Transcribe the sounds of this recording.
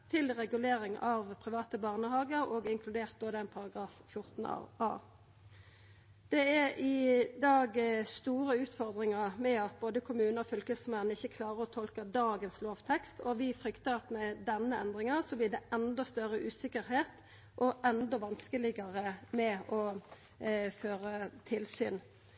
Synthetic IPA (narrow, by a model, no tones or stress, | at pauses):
t̪ʰɪlʁɛɡʉleːɾɪŋɑʋpʰɾɪʋɑːt̪əbɑːʁnəhɑːɡəɾɔːɡɪŋkʰlʉd̪eːʁt̪̚d̪oːd̪ɛæɪnpʰɑʁɑɡʁɑːffjʊʁt̪n̩ɑ̰ʋɑ̰ː | d̪̥ɛæɾɪd̪ɑːɡst̪uːʁəʉːt̪fɔʁd̪ʁɪŋɑʁmɛɑt̪̚boːd̪əkʰʊmʉːnəɔfʏlkəsmɛnːəɪçːəkʰlɑːʁəʁɔt̪ʰɔlkəd̪ɑːɡənsloːʋt̪ʰɛkst̪ʰɔʋɪfɾʏkt̪əʁɑt̪mɛd̪ɛnːəɛnd̪ʁɪŋɑsɔblɪɖɛɛnd̪ɔst̪œɾəʔʉːsɪkəɾɦeːt̪ | ʔɔʔɛnd̪ɔʋɑnskəlɪɡɑʁəmɛɔ | føːɾət̪ʰɪlsyːn